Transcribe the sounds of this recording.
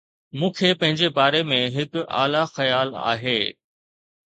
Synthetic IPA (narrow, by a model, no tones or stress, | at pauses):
mũːkʰepɐ̃ɦɪ̃ɲd͡ʑebaːɾemẽɦɪka̰ːlaxɐjaːla̰ːɦeː